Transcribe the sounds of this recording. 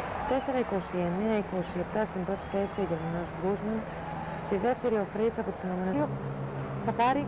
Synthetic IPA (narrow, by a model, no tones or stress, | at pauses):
t̪e̞se̞ɾɐiko̞sie̞neɐiko̞sie̞pt̪ɐst̪imbɾo̞t̪i̥θe̞sio̞ʝe̞ɾmɐnozbɾuzmɐn | st̪iðe̞ft̪e̞ɾio̞fɾisɐpo̞t̪i̥sɐnome̞neo | θɐpɐɾi